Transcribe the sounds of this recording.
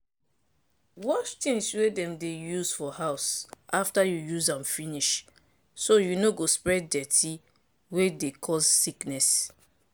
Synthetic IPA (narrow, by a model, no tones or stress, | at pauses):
wɔt͡ʃtĩŋswedɛ̃mdejuzfɔhaʊsʔaftajujuzãnfiniʃ | sojunoɡospɹɛddɛtʰi | wedekʰɔzːiknɛs